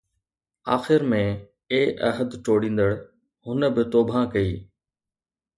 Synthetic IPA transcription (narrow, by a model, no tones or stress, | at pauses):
a̰ːxɪɾmẽ | eːʔɐɦəd̪ʈoːɽĩːn̆d̪əɽ | hʊnəbɪt̪oːbʱãkɐiː